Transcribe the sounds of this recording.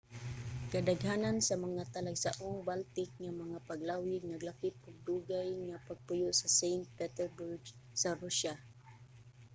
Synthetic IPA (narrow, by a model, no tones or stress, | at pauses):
kad̪aɡɦanansamaŋat̪alaɡsaʔʊŋbalt̪ɪk̚ŋamaŋapaɡlawɪd̚naɡlapɪt̪̚ʊɡ̚d̪uɡajŋapaɡ̚pʊjʊʔsasejnt̪̚pɛt̪ɛɹbuɹɡsaɾuʃa